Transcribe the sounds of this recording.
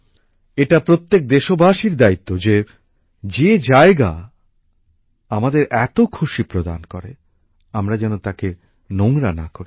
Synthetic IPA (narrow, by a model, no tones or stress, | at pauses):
eʈapɾot̪ːek̚d̪eʃobʱaʃiɾd̪ait̪ːod͡ʑe | d͡ʑed͡ʑaeɡa | amad̪eɾʔɛt̪okʰuʃipɾod̪a̰nkoɾḛ | amɾad͡ʑɛnot̪ake | noŋɾanakoɾi